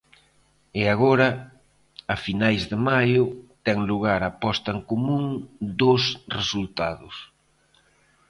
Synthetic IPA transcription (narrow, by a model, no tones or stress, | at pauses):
ɪaɣoɾɐ | afinajzðɪmajʊt̪ɛŋluɣ̞aɾapɔst̪ɐeŋkomũŋd̪osresult̪aðʊ̰s